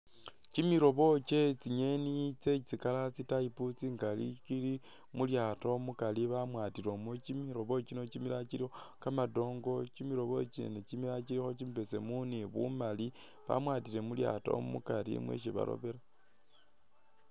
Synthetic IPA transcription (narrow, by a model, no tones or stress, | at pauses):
cimiɾo̞βo̞t͡ʃet͡siɲe̞nit͡se̞t͡sikalat͡sitajiput͡siŋɡalḭt͡ʃili | muljaːtomukaliβamwaːtiɾomocimiɾo̞βo̞t͡ʃino̞cimilaciɾixokamado̞ːŋɡo̞cimiɾo̞βo̞t͡ʃḛnecimilat͡ʃiɾixo̞t͡ʃimipese̞muniβṵmali | βa̰mwaːtiɾe̞mulja̰to̰omṵkaɾḭmwḛʃ̬iβa̰ɾo̰βeɾa